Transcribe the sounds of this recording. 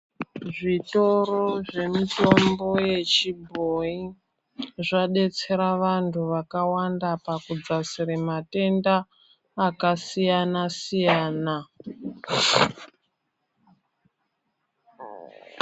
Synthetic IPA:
ʐito̞ro̞ʐe̞mito̞mbo̞je̞t͡ʃibʱoi | ʐaɗe̞t͡se̞ɾaʋantʰuʋakawandapakud͡zasiɾemate̞ndaː | kasijanasijaːna

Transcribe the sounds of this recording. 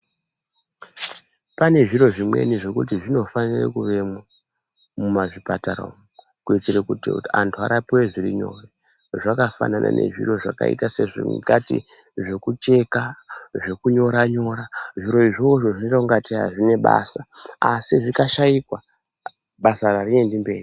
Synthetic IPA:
pane̞ʐiɾo̞ʐimwe̞̰niʐe̞kut̬iʐino̞fanirḛkuʋe̞ma | mumaʐipataɾa̰m | kuit͡siɾekutiantʰua̰ɾapiwe̞ʐiɾiɲo̞̰re | ʐakafa̰nanʔa̰nʔe̞̰ʐḭro̞ʐa̰ka̰ḭtase̞ʐḛkatḭ | ʐe̞kut͡ʃe̞kaʐe̞kuɲo̞ɾaɲo̞ɾaʐiɾo̞iʐooʐoʐinot͡ʃauŋɡatea̰ʐine̞ɓa̰saasiʐikaʃaikwa | ɓasararie̞ndimbe̞ːri

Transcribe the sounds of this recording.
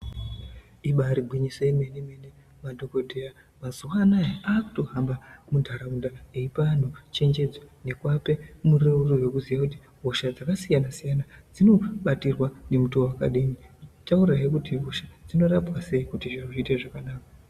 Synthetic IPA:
iɓaɾiɡʱwiɲiso̞jeme̞neme̞ne | madʱo̞ko̞dʱea | mazuwaːnajaaːku̥to̞ɦambamundʱaɾaundaeipan̤ut͡ʃe̞nd͡ʒe̞d͡zone̞kwape̞mureurowekuzijakuti | ɦoʃad͡zakasijanasijanad͡zino̞ɓatirwane̞mutowaka̰ɗinit͡ʃauraikutiɦoʃad͡zino̞rapwase̞ikutiʐauʐiteʐakanaːkḁ

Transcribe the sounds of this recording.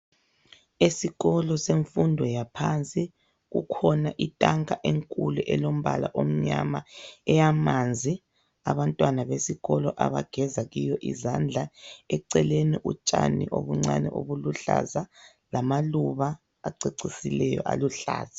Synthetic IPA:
esiɣɔlɔseɱfundʱɔjapʰant͡sʼi | ɣṵkʰɔnaʔitʼaŋaʔeŋkʼuluʔɛlom̩βa̰la̰ʔom̩ɲamaɛjamand͡zʱi | aβantʼwanaβesiɣɔlɔʔaβaɡ̥ʱɛzaɣijɔʔḭzand͡ɮʱaɛǀɛleniʔut͡ʃʼanḭʔoβuŋ͡ǀanɛʔoβuluɬa̰za | lamaluβaː | ǀeǀisilɛjɔ̰ʔa̰luɬa̰ːz̥a

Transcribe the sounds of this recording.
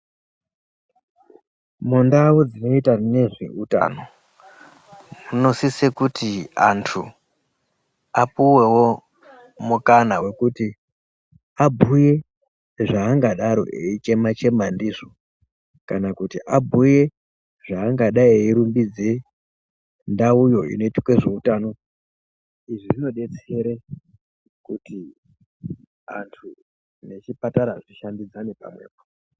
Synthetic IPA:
mundaud͡zino̞itane̞ʐḛuta̰ːno̞ | muno̞sisekutia̰ntʰu | apuwe̞wo̞ | mukanawe̞kuti | abʱuje̞ | ʐaːŋɡaɗaɾo̞̰eit͡ʃe̞mat͡ʃe̞mandiʐo | kanakutiʔabʱuje̞ | ʐaːŋɡaɗaieiɾumbid͡ze | ndaujo̞ḭno̞itḁkwe̞ʐeutano̞ | iʐiʐino̞ɗe̞t͡se̞ɾe | kuti | a̰ntʰu | ne̞t͡ʃipataɾaʐiʃandid͡zanepa̰mwe̞̰ːpo̥

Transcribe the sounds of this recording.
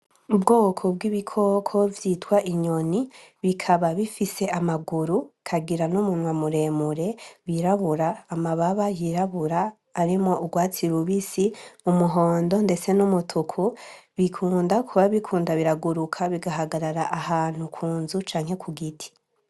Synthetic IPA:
ubɡo̞ːkʰo̞b̚ɡiβikʰo̞kʰo̞vjitwaʔiɲo̞niβikʰaβaβifise̞amaɡuɾukʰaɡiɾanumunwamuɾe̞ːmuɾe̞βiɾaβuɾaːmaβaβajiɾaβuɾaː | ɾimŋo̞ʔuɡwaːt͡siɾuβisimumuɦo̞ːndo̞nde̞t͡se̞numutʰukʰuβikʰuːndakʰuβaβikʰuːndaβiɾaɡuɾukʰaβiɡaɦaɡaɾaɾaʔahaːn̥hukʰuːnzut͡ʃaːŋ̥he̞kʰuɡitʰi̥

